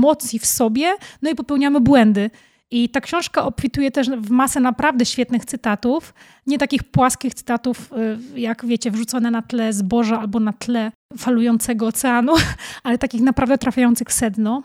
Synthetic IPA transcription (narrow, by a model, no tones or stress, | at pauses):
mɔt̪sʲjifsɔbʲjɛnɔipɔpɛwɲamɘbwɛnd̪ɘ | it̪akɕɔ̃w̃ʂkaʔɔpfʲit̪ujɛt̪ɛʂvmasɛnapɾavd̪ɛɕfʲjɛt̪nɘxt̪sɘt̪at̪uf | ɲɛt̪akʲixpwaskʲixt̪sɘ̥t̪at̪ufjakvʲjet͡ɕɛvʐut̪sɔnɛnat̪lɛzbɔʐaalbɔnat̪lɛfalujɔnt̪sɛɡɔːt̪sɛanualɛt̪akʲixnapɾavd̪ɛt̪ɾafʲjajɔnt̪sɨxfsɛd̪nɔ